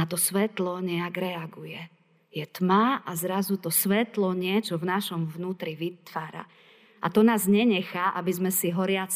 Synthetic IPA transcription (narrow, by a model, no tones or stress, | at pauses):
at̪ɔsʋɛt̪lɔɲɛaɡɾɛaɡujɛ | jɛt̪maʔazɾazut̪ɔsʋɛt̪lɔɲɪɛt͡ʃɔvnaʃɔmvnuːt̪ɾiʋit̪ʋaːɾa̰ | ʔa̰t̪ɔnaːzɲɛɲɛxaːʔabizmɛsiɦɔɾɪat͡s